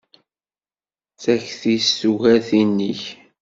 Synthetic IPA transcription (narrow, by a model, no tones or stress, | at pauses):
θæçθisːuʝæθinːiç